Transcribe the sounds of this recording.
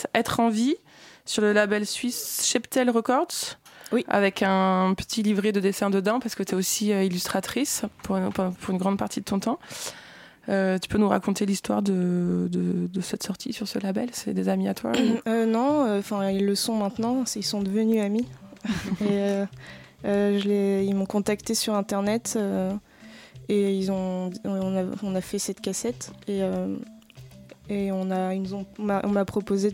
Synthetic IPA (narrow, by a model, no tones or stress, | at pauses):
ɛt̪χɑ̃vi | syʁləlabɛlsɥisʃɛpt̪ɛlʁəkɔʁd̪swia̰vɛkʰɛ̃pə̥t̪ʰilivʁed̪əd̪esɛ̃d̪əd̪ɑ̃paʁsə̥kət̪ɛosiøilyst̪χat̪χispuʁpɑ̃pʰuʁynɡʁɑ̃d̪̚paʁt̪ʰid̪ət̪ɔ̃t̪ɑ̃ | øt̪y̥pønuʁa̰kɔ̃t̪elist̪wa̰ʁd̪əd̪əd̪əsɛt̪sɔʁt̪ʰisyʁsəlabɛlsɛ̰d̪ezamiat̪wa̰ønɔ̃øɑ̃fɛ̃ilːəsɔ̃mɛ̃t̪nɑ̃silsɔ̃d̪əvənyami | eø | øʒəleilmɔ̃kɔ̃t̪akt̪esyʁɛ̃t̪ɛʁnɛt̪ø | eilzɔ̃ɔ̃naɔ̃nafɛsɛt̪kʲasɛt̪eø | eɔ̃nainuzɔ̃maʔɔ̃mapχɔpoze